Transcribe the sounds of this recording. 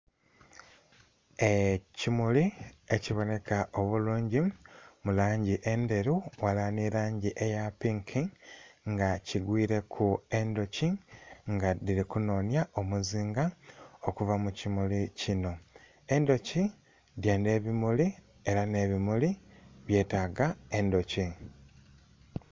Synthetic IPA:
e̞cimulie̞ciβo̞ne̞kaʔo̞βuluːɲɟimulaːɲɟiʔe̞nde̞ɾuwalaniɾaːɲɟiʔe̞japiŋkʰiŋɡaciɡwiːɾe̞kʰue̞ndo̞ciŋɡadiɾikuno̞ːnjaʔo̞muziːŋɡaokuvamucimulicino̞ | e̞ndo̞ci | djaːnde̞ːβimuli | e̞ɾane̞βimuliβje̞ːtaɡae̞ndo̞ci

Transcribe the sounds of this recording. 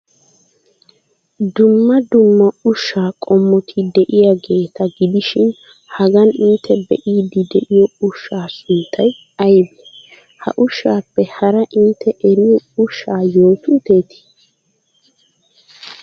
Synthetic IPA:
d̪ʊmːɐd̪ʊmːɐʊʃːaːkʼɔmːɔt̪ʰɪd̪ɛʔɪjaɡe̞ːt̪ʰɐɡɪd̪ɪʃɪn | hɐɡɐnɪnt̪ʰːɛbɛ̰ʔiːd̪ɪd̪ɛʔɪjɔʊʃːaːsɪnt̪ʰːɐj | ɐjbɛ | hɐ̰ʔʊʃːaːpːɛhɐɾɐʔɪnt̪ːɛʔɛɾɪjɔʊʃːaːjo̞ːt̪ʊt̪e̞ːt̪ʰi̥

